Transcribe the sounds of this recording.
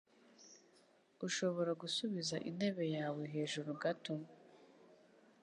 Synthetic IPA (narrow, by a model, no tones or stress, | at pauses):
uʃo̞βo̞ɾaɡusuβizaʔine̞βe̞jaːwe̞ɦe̞ːʒuɾuɡato